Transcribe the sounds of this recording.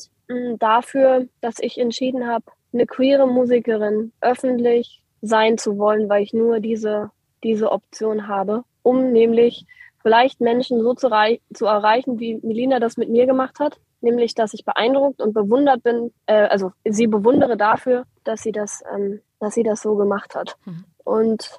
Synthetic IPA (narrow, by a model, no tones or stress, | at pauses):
m̩dafyːɐd̥asɪçɛntʃiːdn̩ɦaːb | nəkʰv̥iːʁəmuːzikəʁ̞ɪnʔœfn̩tlɪç | zaɪnt͡suvɔlənvaɪlɪçnuːɐdiːzə | d̥iːzəʔɔp̚t͡sjoːnɦaːbə | ʔʊmnɛːmlɪçfɪlaɪçtmɛnʃn̩zoːt͡suʁaɪt͡suɛɐʁaɪçn̩viːmiliːnadasmɪtmiːɐɡəmaχthat | nɛːmlɪçd̥asɪçb̥əʔa̰ɪndʁʊk̚tʊnt̚b̥əvʊndɐt̚b̥ɪnʔɛːʔa̰lzoziːbəvʊndəʁ̞ədafyːɐ | d̥asz̥iːdasʔɛ̰ːm | d̥asz̥iːdasz̥oːɡəmaχthat | ʔʊnt